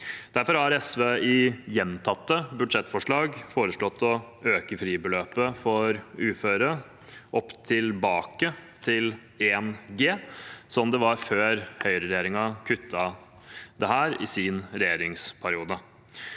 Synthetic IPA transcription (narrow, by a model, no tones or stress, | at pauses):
d̪̥æɾfɔɾhɑɾɛsʋeːɪjɛnt̪ʰɑt̪ːəbʉd̪ʂɛt̪ːfɔʂɭɑːɡfoːɾəʂɭɔt̪ːɔ | øːkəfɾiːbəløːpəfɔɾʉːføːɾə | ʔɔpːt̪ʰɪlbɑːkət̪ʰɪl | eːnɡeːsɔmd̪ɛʋɑɾføːɾhœʏɾəɾɛjeːɾɪŋɑkʰʉt̪ʰːɑ | d̪ɛhæːɾɪ̰sinɾɛjeːɾɪŋspʰæɾɪuːd̪ə